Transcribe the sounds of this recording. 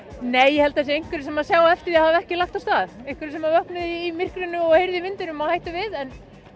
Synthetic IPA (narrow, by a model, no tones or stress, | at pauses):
neːjːɛhɛlt̪aθɛs̬ɪejŋkvʏɾɪsɛmaðsjaːwɛft̪ɪɾiahavɛhcɪlaxt̪awst̪aːðejŋ̥kvɪɾɪsɛmaɾvœhknʏðiːmɪr̥kɾʏnːʏɔɣhejɾðɪvɪnt̪ɪnʏmahajht̪ʏvɪðɛn